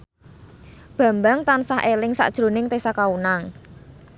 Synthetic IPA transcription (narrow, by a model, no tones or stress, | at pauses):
b̥ä̤mbaŋt̪ansaɦʔelɪŋsa̰ʔd̥ʒ̥ɾo̤nɪŋt̪esakaunaŋ